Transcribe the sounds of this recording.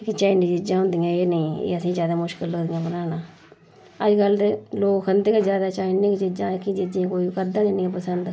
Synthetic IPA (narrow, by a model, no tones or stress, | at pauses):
ɪkt͡ʃaːinid͡ʒɪd͡ʒãːɦʊ̃nd̪ijãːeːnəĩːḛːəsĩːzjaːd̪aːmʊʃkəloːd̪ɪjãːbənaːnãː | əd͡ʒɡəlt̪loːkkʰənd̪eːked͡ʒjaːd̪aːt͡ʃaːinẽːkt͡ʃɪd͡ʒãːkɪd͡ʒɪd͡ʒiãːkoːiːkəd̪ãːenĩːpəsənd̪